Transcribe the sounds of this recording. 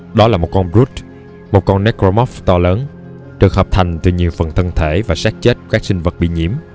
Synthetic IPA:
ɗɔ˨˦laː˨˩mo˨˩t̚kɔ˧nbzu˦˥t̚ | mo˨˩t̚kɔ˧nːɛ˦˥kɾo˧mɔ˦˥ft̪ɔ˧ləː˨˦n | ɗɨ˨˩ək̚həː˨˩p̚t̪ʰa˨˩jŋ̟t̪ɨ˨˩ɲi˨˩əwfə˨˩nt̪ʰə˧nt̪ʰe˧˩vaː˨˩saː˦˥t̚t͡ɕe˦˥t̚kaː˦˥k̚sï˧ŋ̟və˨˩t̚ɓḭ˧˨ɲḭ˧˩əm

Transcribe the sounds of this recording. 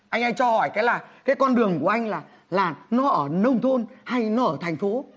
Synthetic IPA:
ʔa˧jŋ̟ʔaː˧jt͡ɕɔ˧hɔ˧˩jkaː˨˦jlaː˨˩kaː˨˦jkɔ˧nɗɨ˨˩əŋku˧˩əʔa˧jŋ̟laː˨˩ | laː˨˩nɔ˨˦ʔəː˧˩nə˧wŋ͡mt̪ʰo˧nha˧jnɔ˨˦ʔəː˧˩t̪ʰŋ̟fo˨˦

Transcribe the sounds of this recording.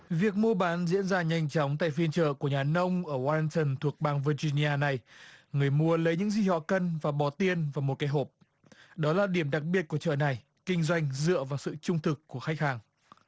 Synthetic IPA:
vi˨˩ək̚mu˧ɓaː˨˦nzḭ˧˥ənzaː˧ɲa˧jŋ̟t͡ɕɔ˨˦wŋ͡mt̪a̰ː˧˨jfi˧ənt͡ɕə̰ː˧˨ku˧˩əɲaː˨˩nə˧wŋ͡mʔəː˧˩waː˧si˧ŋt̪ə˨˩nt̪ʰu˨˩ək̚ɓaː˧˩ŋvə˧zi˧ni˧ʔaː˧na˨˩jŋɨ˨˩əjmu˧ələ˨˦jɲɨ̰˧˥ŋzi˨˩hɔ̰˧˨kə˧nvaː˨˩ɓɔ˨˦t̪i˧ənvaː˨˩mo˨˩t̚kaː˨˦jɦo˨˩p̚ | ɗɔ˨˦laː˨˩ɗi˧˩əmɗa˨˩k̚ɓi˨˩ət̚ku˧˩ət͡ɕə̰ː˧˨na˨˩j | kï˧ŋ̟zwa˧jŋ̟zɨ̰˧˨əvaː˨˩wsɨ̰˧˨t͡ɕʊ˧ŋ͡mt̪ʰɨ˨˩kːu˧˩əxa˦˥jk̚haː˨˩ŋ

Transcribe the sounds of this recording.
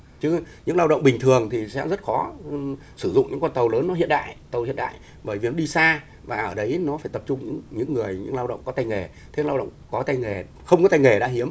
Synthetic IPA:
t͡ɕɨ˨˦ɲɨ̰˧˥ŋlaː˧wɗə̰˧˨ŋ͡mɓï˨˩ŋ̟t̪ʰɨ˨˩əŋt̪ʰi˨˩sɛ̰˧˥zə˦˥t̚xɔ˨˦ | sɨ˧˩zʊ̰˧˨ŋ͡mɲɨ̰˧˥ŋkaː˧nt̪ə˨˩wləː˨˦nːɔ˨˦ɦḭ˧˨ənɗa̰ː˧˨jt̪ə˨˩whḭ˧˨nɗa̰ː˧˨j | ɓəː˧˩jvi˨˩nɔ˨˦ɗi˧saː˧ | vaː˨˩ʔəː˧˩ɗə˨˦jnɔ˨˦faː˧˩jt̪ə˨˩p̚t͡ɕʊ˧ŋ͡mɲɨ̰˧˥ŋɲɨ̰˧˥ŋːɨ˨˩əjɲɨ̰˧˥ŋlaː˧wɗə̰˧˨wŋ͡mkɔ˨˦t̪a˧jŋe˨˩ | t̪ʰe˨˦laː˧wɗə̰˧˨ŋ͡mŋ͡mkɔ˨˦t̪a˧jŋe˨˩ | xə˧wŋ͡mkɔ˨˦t̪a˧jŋe˨˩ɗa̰ː˧˥ɦi˨˦əm

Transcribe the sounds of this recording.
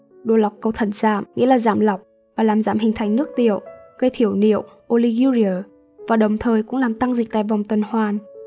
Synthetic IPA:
ɗo˧˩la˨˩wk͡p̚kə˧wt̪ʰə˧˩nza̰ː˧˨mŋḭ˧˥laː˨˩zaː˧˨mla˨˩wk͡p̚ | vaː˨˩laː˨˩mzaː˧˩mhï˨˩ŋ̟t̪ʰa˨˩jŋnɨ˦˥ək̚t̪ḭ˧˨əwɣə˧jt̪ʰi˧˩əwnḭ˧˨əw | ʔo˧li˧ɣi˧zi˧əː˨˩ | vaː˨˩ɗə˨˩wŋ͡mt̪ʰəː˨˩jkʊ̰˧˥laː˨˩mt̪a˧ŋzï˨˩k̚t̪a̰ː˧˨jvɔ˨˩wŋ͡mt̪wə˨˩nhwaː˨˩n

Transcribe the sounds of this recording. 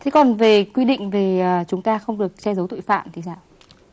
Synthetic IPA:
t̪ʰe˨˦kɔ˨˩nve˨˩kwi˧ɗḭ̈˧˨ŋ̟ve˨˩əː˨˩t͡ɕʊ˨˦ŋ͡mt̪aː˧xə˧wŋ͡mɗɨ˨˩ək̚sɛ˧zə˨˦wt̪ṵ˧˨jfa̰ː˧˨mt̪ʰi˨˦saː˧˩w

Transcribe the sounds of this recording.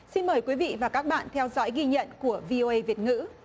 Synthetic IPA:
si˧nməː˨˩jkwi˨˦vḭ˧˨vaː˨˩kaː˦˥k̚ɓa̰ː˧˨nt̪ʰɛ˧wzɔ̰˧˦˥jɣi˧ɲə̰˧˨nku˧˩əvi˧ʔo˧ʔə˧jvi˨˩ət̚ŋɨ̰˧˥

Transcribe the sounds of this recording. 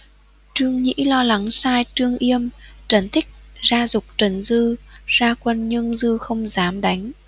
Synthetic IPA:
t͡ɕɨ˧əŋɲḭ˧˥lɔ˧la˨˦ŋsaː˧jt͡ɕɨ˧əŋʔi˧əmt͡ɕə˨˩nt̪ʰï˦˥k̚zaː˧zʊ˨˩k͡p̚t͡ɕə˨˩nzɨ˧zaː˧kwə˧nɲɨ˧ŋzɨ˧xə˧wŋ͡mzaː˨˦mɗa˨˦jŋ̟

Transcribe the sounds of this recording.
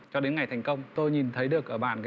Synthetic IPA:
t͡ɕɔ˧ɗe˨˦nŋa˨˩jt̪ʰjŋ̟kə˧wŋ͡mt̪o˧jɲi˨˩nt̪ʰə˨˦jɗɨ˨˩ək̚ʔəː˧˩ɓa̰ː˧˨nkaː˨˦

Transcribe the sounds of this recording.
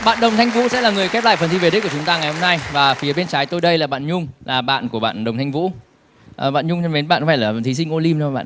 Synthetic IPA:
ɓa̰ː˧˨nɗə˨˩wŋ͡mt̪ʰa˧jŋ̟vṵ˧˥sɛ̰˧˥laː˨˩ŋɨ˨˩əjxɛ˦˥p̚la̰ː˧˨jfə˨˩nt̪i˧ve˨˩ɗi˦˥ku˧˩˨t͡ɕʊ˨˦ŋ͡mt̪aː˧ŋa˨˩jho˧mna˧jvaː˨˩fi˨˦əɓe˧nt͡ɕaː˨˦jt̪o˧jɗə˧jlaː˨˩ɓa̰ː˧˨nɲʊ˧ŋ͡mlaː˨˩ɓa̰ː˧˨nku˧˩əɓa̰ː˧˨nɗə˨˩wŋ͡mt̪ʰa˧ŋvṵ˧˥ | ʔɓa̰ː˧˨nɲʊ˧ŋ͡mt͡ɕɛ˧me˨˦nɓa̰ː˧˨nkfa˧˩laː˨˩˨t̪ʰi˨˦s̬ï˧ŋʔo˧li˧mt͡ɕɔ˧ɓa̰ː˧˨

